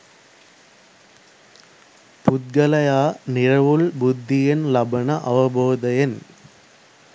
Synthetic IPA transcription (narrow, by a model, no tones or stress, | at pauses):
pʊt̪̚ɡɐlɐjaːnɪɾɐʋɯlbʊd̪ʱːɪjɐnlɐbɐnɐʔɐʋɐboːd̪ɐjɐn